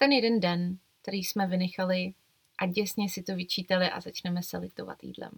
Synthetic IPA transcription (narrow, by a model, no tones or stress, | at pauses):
t̪ɛnjɛdɛndɛnkt̪ɛɾiːsmɛvɪnɛxalɪ | ʔaɟɛsɲɛsɪt̪ovɪt͡ʃiːt̪alɪʔa̰zat͡ʃnɛmɛsɛlɪ̰t̪o̞va̰t̪jḭːdlɛ̰m